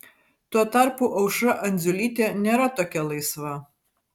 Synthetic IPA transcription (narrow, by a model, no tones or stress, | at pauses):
t̪uɔt̪ɐˑɾpuʔɐʊʃɐʔɐnʲd̪zʲʊlʲiːt̪ʲeːnʲeːɾɐt̪oːkʲɛlˠɐɪsʋɐ